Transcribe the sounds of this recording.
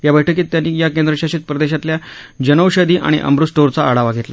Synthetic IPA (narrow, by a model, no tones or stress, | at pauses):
jabəjʈʰəkiːt̪ːjanːiːjakend̪ɾəɕaɕiːt̪̚pɾəd̪eɕat̪ljad͡ʑənəwɕəd̪iːʔa̰ɽ̃ḭʔə̰mɾusʈoɾt͡saːɽaʋaɡʱet̪la